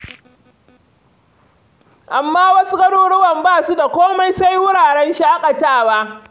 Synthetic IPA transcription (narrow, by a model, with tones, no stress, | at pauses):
ʔa˨mːaː˦wɐ˦su˦kʼɐ˦ɽoː˦ɽʊ˦wɐ˨mbaː˦˨su˦da˨kʷoː˦ma˦jsa˦jwʊ˦ɽaː˨ɽɛ˦nʃaː˦kʼɐ˨taː˦˨waː˦